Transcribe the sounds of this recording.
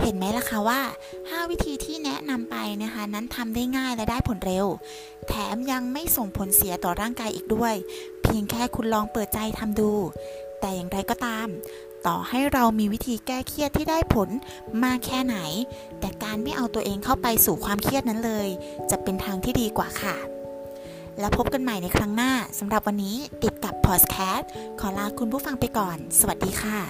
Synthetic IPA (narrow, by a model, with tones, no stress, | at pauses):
he˨˦nmɛː˦˥la˧˩kʰa˦˥waː˥˩ | haː˥˩wi˦˥t̪ʰiː˧t̪ʰiː˥˩nɛ˦˥na˧mpa˧jna˦˥˩kʰa˦˥na˦˥nt̪ʰa˧mdaː˥˩jŋaː˥˩jlɛ˦˥daː˥˩jpʰo˩˦nɾe˧w | t̪ʰɛː˨˦mja˧ŋma˥˩jso˨˩ŋpʰo˨˦nsi˩˦ɐt̪ɔː˨˩ɾaː˥˩ŋkaː˧jʔḭː˨˩k̚du˥˩əj | pʰi˧əŋkʰɛː˥˩kʰu˧nlɔː˧ŋpɤː˨˩t̪̚t͡ɕa˧jt̪ʰa˧mduː˧ | t̪ɛː˨˩jaː˨˩ŋɾa˧jkɔː˨˩t̪aː˧m | t̪ɔː˨˩ha˥˩jɾa˧wmiː˧wi˦˥t̪ʰiː˧kɛː˥˩kʰi˥˩ət̪ʰːiː˥˩daː˥˩jpʰo˩˦n | maː˥˩kʰːɛː˥˩na˩˦j | t̪ɛː˨˩kaː˧nma˥˩jʔa˧wt̪u˧ɐʔeː˧ŋkʰa˥˩wpa˧jsuː˨˩kʰwaː˧mkʰi˥˩ət̪̚na˦˥nlɤː˧jt͡ɕa˨˩pe˧nt̪ʰaː˧ŋt̪ʰiː˥˩diː˧kwaː˨˩kʰa˥˩ | lɛː˦˥wpʰo˦˥p̚ka˧nma˨˩jna˧jkʰɾa˦˥ŋnaː˥˩sa˨˩˦mɾa˨˩p̚wa˧nːiː˦˥t̪i˨˩t̪̚ka˨˩pʰːɔː˨˩skʰɛː˦˥t̚kʰɔː˩˦laː˧kʰu˧npʰuː˥˩fa˧ŋpa˧jkɔː˨˩nsa˧wa˨˩diː˧xʰa˥˩